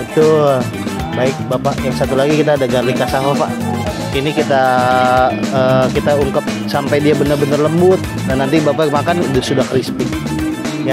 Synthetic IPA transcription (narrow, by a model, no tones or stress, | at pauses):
bət̪ʊl | baɪk̚bapaʔjaŋsat̪ulaɡikit̪aːdaɡarlikasaɦapa̰ʔ | inikit̪a | əːkit̪auŋkap̚sampajdiabənərbənərləmbʊt̪̚danːant̪ibapakmakandəsudahkɾispi | ja